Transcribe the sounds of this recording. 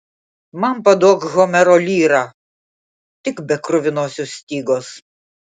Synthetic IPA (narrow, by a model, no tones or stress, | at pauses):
mɐnpɐd̪uɔkɣomʲɛɾoːlʲiːɾɑ | t̪ʲɪkbʲɛkɾʊʋʲɪnoːsʲossʲt̪ʲiːɡoːs